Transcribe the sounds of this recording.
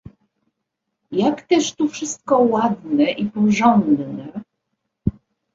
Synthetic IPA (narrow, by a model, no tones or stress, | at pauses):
jakt̪ɛʂt̪ufʂɘst̪̚kɔwad̪nɛʔipɔʐɔnd̪nɛ